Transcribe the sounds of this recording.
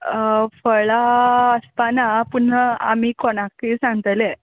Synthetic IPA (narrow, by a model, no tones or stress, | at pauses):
fəɭaəspanapun̤əa̰miːkɔɽ̃akiːsãŋɡət̪əle